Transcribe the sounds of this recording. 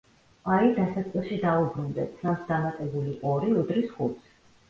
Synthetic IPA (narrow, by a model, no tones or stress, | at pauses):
aid̪asat̪sʼilˠʃid̪aubɾund̪ɛsʰnansd̪amat̪ʼɛbuliʔɔɾiud̪ɾisχut̪sʰ